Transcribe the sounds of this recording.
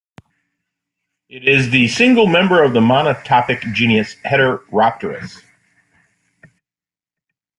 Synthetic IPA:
ɪɾɪzðɨsɪ̃ŋɡl̩ˠmɛ̃mbə˞ʌvðəmɑnətʰɑpɨk̚d̥ʒ̥ĩnjɨshɛɾə˞ɹæp̚tʰə˞ɨ̰s

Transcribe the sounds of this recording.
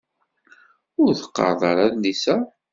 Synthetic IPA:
ʊɾθə̥qːɑ̰ɾˤðˤɑ̰ɾˤæðnisæ

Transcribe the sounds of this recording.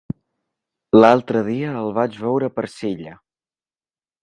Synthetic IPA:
lalˠt̪ɾəðiəːlˠβad͡ʒβɛwɾəpəɾsiʎə

